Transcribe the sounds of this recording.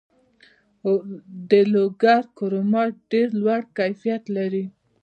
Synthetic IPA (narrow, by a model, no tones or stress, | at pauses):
d̪əloɡaɾkoɾomɑɾɖeɾlwaɽkajfijat̪laɾi